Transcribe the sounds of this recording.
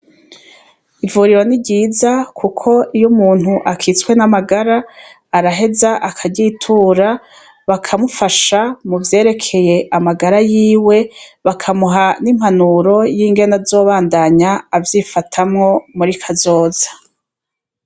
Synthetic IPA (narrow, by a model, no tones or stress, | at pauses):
ivuːɾiɾonibɟiːzakʰukʰo̞ijomuːn̥huʔakʰit͡swe̞namaɡaɾaː | ɾaɦe̞zaʔakʰaɟitʰuːɾa | βakʰamufaʃamuvje̞ːɾe̞kʰe̞je̞ʔamaɡaɾajiːwe̞βakʰamuɦanim̥hanuɾo̞jiːŋɡe̞nazo̞ːβaːndaɲaːvjiːfatʰamŋo̞muɾikʰazo̞ːz̥ḁ